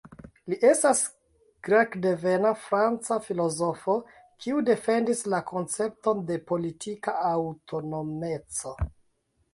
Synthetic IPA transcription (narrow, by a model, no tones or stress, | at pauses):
liʔe̞stas | ɡ̥ɾakde̞ve̞nafɾant͡safilo̞zo̞fo̞ | kʰiude̞fe̞ndislakʰo̞nt͡se̞p̚to̞nde̞po̞litʰikaawtʰo̞no̞me̞t͡so̞